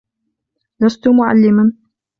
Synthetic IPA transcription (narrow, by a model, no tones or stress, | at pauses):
last̪ʊmʊʕa̰lːɪman